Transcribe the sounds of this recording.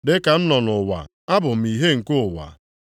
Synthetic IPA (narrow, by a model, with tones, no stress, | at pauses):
dɪ˦ka˨n̩˦nɔ˨nʊ˨wa̰˨ | a˦bʊ˨m̩˨i˨ɦe˦ŋ̩˨kʊ˦ʊ˨wa̰˨